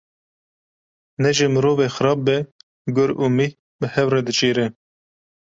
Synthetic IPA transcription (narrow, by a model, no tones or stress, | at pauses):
nɛʒemɨɾoːvexɨɾɑːb̚bɛ | ɡʊɾuːmi | bəhɛwrɛd̪ɨt͡ʃiːɾɛ